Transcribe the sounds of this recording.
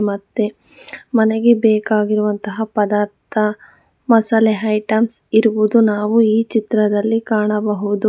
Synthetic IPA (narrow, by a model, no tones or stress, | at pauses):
mɐt̪ːe̞ | mɐneɡebɛːkaːɡiɾuʋɐnt̪ɐɦɐpɐd̪aːɾt̪ʰɐ | mɐsɐleɦɐjʈɐmsiɾuʋud̪unaːʋuiːt͡ʃit̪ɾɐd̪ɐlːikaːɳɐbɐɦud̪u